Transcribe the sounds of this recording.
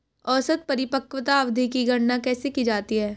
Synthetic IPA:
ɔːsət̪̚pɐɾɪpəkʋət̪aɐʋd̪ʱikiɡɐɽnakɛːsekid͡ʒaːt̪iɦɛː

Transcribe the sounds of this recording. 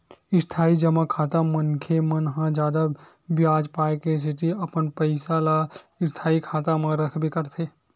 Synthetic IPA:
ɪst̪ʰaːid͡ʒəmakʰaːt̪amənkʰemənɦãd͡ʒjaːd̪a | bjaːd͡ʒpaːekes̬ɪʈiɐpənpəɪsalaɪst̪ʰaːikʰaːt̪amãɾəkʰbʱikəɾt̪ʰeː

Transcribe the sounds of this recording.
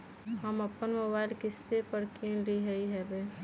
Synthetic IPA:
ɦəmɐpːənmobaːɪlkɪst̪epəɾkĩnliɦəiɦɛbe

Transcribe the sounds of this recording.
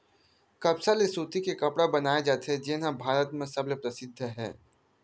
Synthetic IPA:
kɐbsalesuːt̪ikekɐpɽabɐnaːjed͡ʒaːt̪ɦɛd͡ʒɪnɦãbʱaːɾət̪mẽsɐblepɾɐsɪd̪ʱːɦɛ̰ː

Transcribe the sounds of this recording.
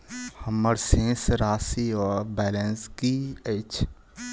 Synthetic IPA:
həməɾsẽːsɾaːsiɔːɾbɛːlə̃nskiət͡ʃ

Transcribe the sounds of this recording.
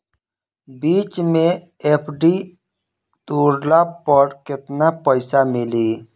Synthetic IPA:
biːt͡ʃmẽ | epʰɖi | t̪uːɾlapəɾkɪt̪napəɪsamɪliː

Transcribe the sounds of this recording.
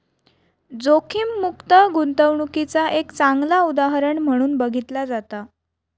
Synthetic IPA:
d͡zokʰiːmːukt̪əɡunt̪əʋɳukit͡saʔekt͡saŋɡlaud̪aɦɾəɳm̤əɽ̃uːnbəɡʱit̪lad͡zat̪a

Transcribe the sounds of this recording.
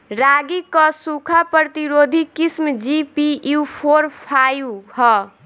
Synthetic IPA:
ɾaɡikʌsukʰapəɾt̪iɾod̪ʱikismd͡ʒipiupʰoɾpʰajhɔ

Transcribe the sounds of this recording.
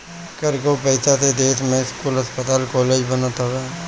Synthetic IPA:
kəɾkopəɪsat̪ʰed̪eːsmẽɪskuːlɦəspət̪aːlkɔːleːd͡ʒbənət̪ɦəʋeː

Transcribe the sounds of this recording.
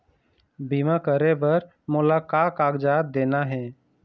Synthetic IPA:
bimakəɾebəɾ | mʊlaːkaːkaːɡd͡ʒaːt̪̚d̪eːnaɦɛ̃ː

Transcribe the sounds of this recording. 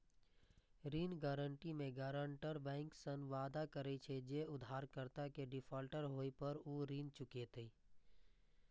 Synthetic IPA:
ɾiːnɡaːɾəɳʈimẽɡaːɾəɳʈəɾbɛ̃ːŋksənʋaːd̪akəɾet͡ʃʰed͡ʒeʊd̪ʱaːɾkəɾt̪akeɖɪpʰaːlʈəɾɦoːipəɾuɾiːnt͡ʃʊket̪ei

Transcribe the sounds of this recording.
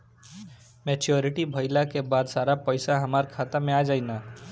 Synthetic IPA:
met͡ʃoɾiʈibʱəɪlakebad̪saɾapəɪsaɦəmaɾkʰat̪amead͡ʒajna

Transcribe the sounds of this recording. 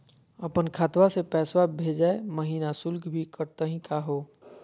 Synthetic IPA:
əpənkʰaːt̪wasepɛːswabʱeːd͡ʒaeməɦiːnasʊlɡbʱikəɾt̪əɦĩkaɦoː

